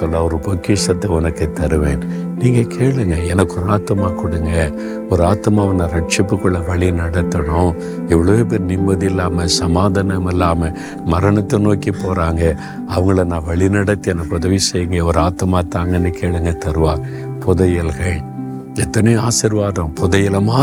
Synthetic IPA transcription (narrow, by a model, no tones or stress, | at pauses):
sɔlːɐɔɾɯpɔkːiʂɐt̪ːɐɔnɐkːɐt̪ːɐɾɯʋẽː | niːŋɡɐkʰeːɭɯŋɡɐɛnɐkːɔɾɯaːt̪ːɯmaːkʊɽɯŋɡɐ | ɔɾɯaːt̪ːɯmaːɐnɐɾɐʈ̚t͡ʃɪpːɯkːɯɭːɐʋɐɭinɐɽɐt̪ːɐɳʊ̃ | ɛʋɐɭɐʋeːp̬eːɾnɪmbɐðiɪlːaːmɐsɐmaːðɐnɐmɪlːaːmɐ | mɐɾɐɳɐt̪ːɐnoːkipoːɾaːŋɡɐ | ɐʋɐŋɡɐɭɐnãːʋɐɭinɐɽɐt̪ːɯɛnɐkːɔðɐʋisɛjːɯŋɡɐɔɾɯaːt̪ːɯmaːt̪ːaːŋɡɐnikeːɭɯŋɡɐt̪ɐɾɯʋãː | pʊðɐjɐlɣɐɭ | ɛt̪ːɐnɐj̃aːsɪɾʋaːðɐ̃pʊðɐjɐlɐmaː